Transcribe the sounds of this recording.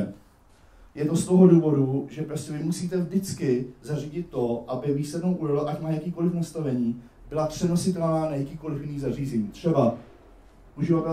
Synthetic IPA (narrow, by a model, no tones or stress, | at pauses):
jɛt̪o̞st̪oɦoduːvo̞duʒɛpɾoscʲɛvɪmusiːt̪ɛvdɪt͡skɪzariːɟɪt̪ːo̞ʔabɪviːslɛdnowʔudolɛʔacmaːjakiːko̞lɪfnast̪avɛɲiː | bɪlapr̥ɛno̞sɪt̪ɛlnaːnajakiːko̞lɪfjɪniːzariːzɛɲiːt̪r̝̥ɛba | ʔuʒɪvat̪ɛ